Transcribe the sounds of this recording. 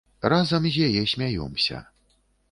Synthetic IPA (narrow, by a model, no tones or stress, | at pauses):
razɐmzʲjajɛsʲmʲajɔ̰msʲɐ̰